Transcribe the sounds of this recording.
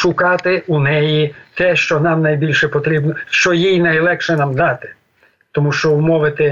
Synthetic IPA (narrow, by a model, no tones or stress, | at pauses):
ʃʊkɑt̪ɪunɛjit̪ɛʃt͡ʃɔnɑmnɐjbʲilʲʃɛpɔt̪ɾʲibnɔʃt͡ʃɔjijnɐjlˠɛkʃɛnɑmd̪ɑt̪ɪ̥ | t̪ɔmuʃt͡ʃɔʊmɔʋɪt̪ɪ